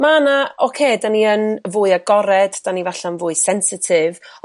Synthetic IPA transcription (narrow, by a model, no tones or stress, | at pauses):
manaɔkʰeːdaniənvʊːɨaɡɔɾɛdd̥anivaɬanvʊːɨsɛnsɪtʰɪv